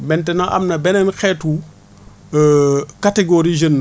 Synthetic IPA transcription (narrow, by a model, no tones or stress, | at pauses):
mɛntɛnɐʔɐ̰mnɐbɛnɛnxɛːtu | katɛɡoɾid͡ʒənː